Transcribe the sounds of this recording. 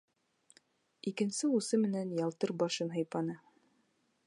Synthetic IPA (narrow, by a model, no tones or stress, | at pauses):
ikɘ̆nsɘusɤmɘ̆nænjɑlˠt̪ɤɾbɑʃɤnɦɤ̆jpɑnɤ